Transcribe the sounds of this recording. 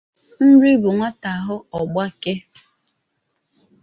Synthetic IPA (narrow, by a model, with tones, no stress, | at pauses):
n̩˦ɾi˦bʊ˨ŋʷa˦ta˨ɦʊ˦ɔ˨ɡ͡ba˦ke˦